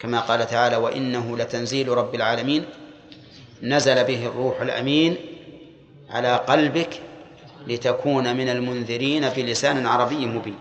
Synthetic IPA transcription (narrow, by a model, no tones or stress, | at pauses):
kamaːqɑːlat̪aʕaːlaːwaʔɪ̰nːaɦʊlat̪anziːlɾˤɑbːɪlʕaːlamiːn | azalabɪɦɪrˤːuːħalʔa̰miːn | ʕa̰laːqɑlbɪk | lɪt̪akuːnamɪnalmʊnðɪɾiːnabɪlɪsaːnɪlʕɑɾˤɑbɪjːmʊbiːn